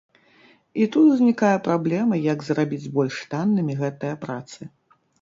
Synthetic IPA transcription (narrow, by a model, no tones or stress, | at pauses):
it̪ut̪wzʲnʲikajɐpɾablʲɛmɐjɐɡzrabʲid͡zʲbɔlʲʂt̪anːɨmʲiɣɛt̪ɨjɐpɾat̪sɨ